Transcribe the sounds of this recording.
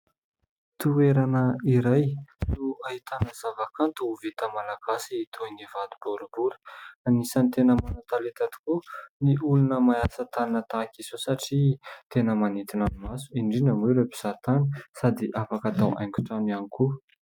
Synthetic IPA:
t̪ueɾanəiɾajnuaɦit̪anəz̥avakant̪uuvet̪əmalaɡ̥asiːt̪ʰoinivad̪u̥boɾubuɾə̥anisanit̪enəmanat̪alet̪ad̪i̥kuniʔulunəmajasat̪anət̪akiz̥osaʈ͡ʂit̪enəmanit̪inanumasu̥iɳɖ͡ʐinamiɾepi̥z̥at̪anə̥sad̪iʔafakat̪awʔa̰jŋkʲu̥ʈ͡ʂanianiku

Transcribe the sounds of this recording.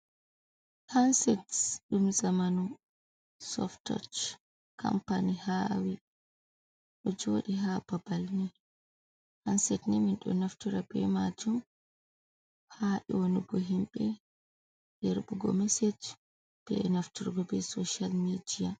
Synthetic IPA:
hansɛtɗumzamanu | sɔ̰ftɔ̰t͡ʃ | ka̰mpanihawi | ɗɔd͡ʒoːɗiɦababalnɛ | hansɛtnɛminɗɔ̰naftuɾabɛ̰mad͡ʒum | haɗɛwoniɡɔɦimɓɛ | d̥ɛɾbuɡɔ̰mɛsɛd͡ʒ | b̥ɛ̰naftuɾɡɔbɛsoʃalmidia

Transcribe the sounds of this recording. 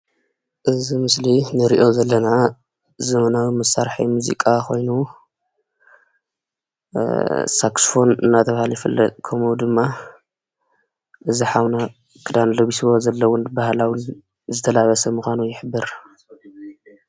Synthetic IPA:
ʔɨzimɨslinɨɾiʔo̞zɐlːɐna | zɐmɐnawimɐsaɾħa̰jmuzḭkʼako̞̰jnu | saksfo̞nɨ̰nːat̪ʰɐβahaljɪfɨlːɐ̰t̪ʼkʰɐmuwd̪ɨmːa | ʔɨziħawna | kʰɨd̪anloβisiwozɐlːɐwʊnbahlawin | zɨt̪ʰɐlaβɐsɐmuxʷanujɪħɨbːɨɾ

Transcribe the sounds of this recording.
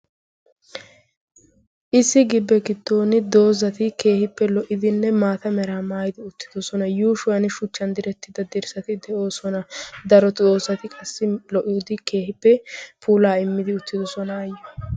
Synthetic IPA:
ʔɪsːɪɡɪbːɛɡɪd̪ːo̞ːnɪd̪o̞ːzɐt̪ɪke̞ːhɪpːɛlɔʔɪd̪ɪnːɛmaːt̪ɐmɛɾaːmaːjɪd̪ɪʊt̪ːɪ̥d̪ɔsɔnɐjuːʃʊɐnɪʃʊt͡ʃːɐnd̪ɪɾɛt̪ːɪd̪ɐd̪ɪɾsɐt̪ɪd̪ɛʔo̞ːsɔnɐd̪ɐɾɔt̪oːzɐt̪ɪkʼɐsːɪlɔʔːuːd̪ɪke̞ːhɪpːɛpʰuːlaːɪmːɪd̪ɪʊt̪ːɪd̪ɔsɔnaːjɛ

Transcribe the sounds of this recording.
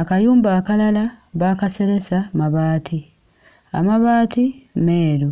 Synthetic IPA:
akajuːmbaːkalalaβaːkase̞ɾe̞samaβaːtʰi | a̰maβaːtimeːlu

